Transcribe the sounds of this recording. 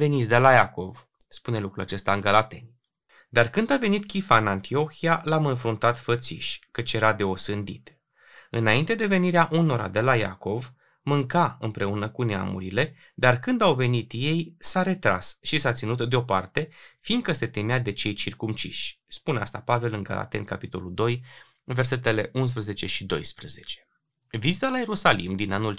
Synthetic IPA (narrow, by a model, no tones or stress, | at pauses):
ve̞nit̪sʲd̪e̞lajako̞v | spune̞lukɾula̰t͡ʃe̞st̪aɨŋɡəlat̪e̞nʲ | d̪arkɨnd̪ave̞nit̪kʲifaɨnant̪ʰio̞xialamɨnfɾunt̪at̪fət̪sḭʃʲkət͡ʃje̞ɾad̪e̞o̞sɨnd̪ḭt̪ | ɨnaint̪e̞d̪e̞ve̞niɾeaʔuno̞ɾa̰d̪e̞laja̰ko̞v | mɨŋkaɨ̰npɾʔe̞unəkunea̰mṵɾile̞ | d̪arkɨnd̪awve̞nit̪je̞jsaɾe̞t̪ɾa̰sʃisat̪sinut̪d̪eo̞part̪e̞finɡ̪̚kəse̞t̪e̞mead̪e̞t͡ʃe̞jt͡ʃirkumt͡ʃḭʃʲ | spunea̰st̪apave̞lɨnɡa̰la̰t̪e̞̰nkapit̪o̞luld̪o̞j | ve̞rs̬e̞t̪e̞le̞ʔuns̬pɾəzet͡ʃe̞ʃid̪o̞̰jspɾəze̞t͡ʃe̞̥ | vizit̪alaje̞ɾusalḭmd̪inanul